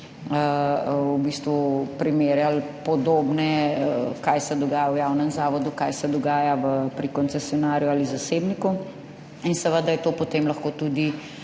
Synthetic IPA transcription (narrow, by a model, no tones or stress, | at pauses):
əubiːst̪ʋupɾimeːɾjalpɔd̪oːbnɛkajsɛd̪ɔɡaːjawjawnɛmzaːʋɔd̪ukajsɛd̪ɔɡaːjaʋəpɾikɔnt̪sɛsjɔnaːɾjuaːlizaseːbniku | insɛʋəd̪ajɛt̪oːpɔt̪eːmlɐxkoːt̪ud̪i